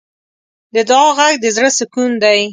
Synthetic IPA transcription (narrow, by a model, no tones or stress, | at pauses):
d̪əd̪ɑɣaɡ̚d̪əzɽəsʊkund̪aj